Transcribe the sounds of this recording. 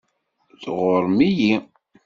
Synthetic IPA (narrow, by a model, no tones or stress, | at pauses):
ðʁoɾˤmiji